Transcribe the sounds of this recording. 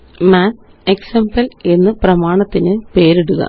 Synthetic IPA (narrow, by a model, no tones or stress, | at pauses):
maː | eksembɐle̞nːɨprɐmaːɳɐt̪ːinɨpe̞ːɾeɽuɣɐ̰